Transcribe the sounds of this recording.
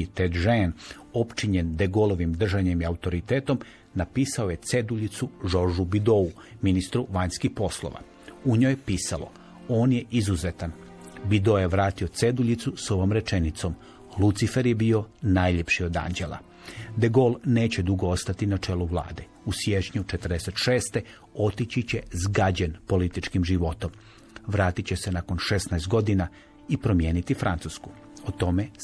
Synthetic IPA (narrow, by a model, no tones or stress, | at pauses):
t̪ed̪ʒen | o̞pt͡ʃiɲend̪eɡolo̞ʋimd̪r̩ʒaɲe̞miaut̪o̞ɾit̪eːt̪o̞m | napiːsao̞je̞t̪se̞d̪uʎit̪suʒo̞ʒubid̪o̞u | minist̪ɾuʋaɲskihpo̞slˠo̰ʋa̰ | uɲoːjepiːsalo̞̰ | o̞ːnje̞ʔizuzet̪an | bid̪ojeʋɾaːt̪io̞t̪se̞d̪uʎit̪suso̞ʋoːmɾe̞t͡ʃenit̪so̞m | lˠut̪sife̞ɾjebio̞najʎepʃio̞d̪a̰nd͡ʑe̞lˠa̰ | d̪eɡo̞ːlˠne̞ːt͡ɕe̞d̪uɡoost̪at̪inat͡ʃe̞ːluʋlˠa̰ːd̪e̞ | usje̞t͡ʃɲut͡ʃet̪rd̪ese̞t̪ʃe̞ːst̪e̞ | o̞t̪it͡ɕit͡ɕe̞zɡad͡ʑenpo̞lit̪it͡ʃkimʒiʋo̞t̪o̞m | ʋɾaːt̪it͡ɕe̞se̞nako̞nʃesnajst̪ɡo̞d̪ina | ipɾo̞mje̞ːnit̪ifɾant̪usku | ot̪o̞me̞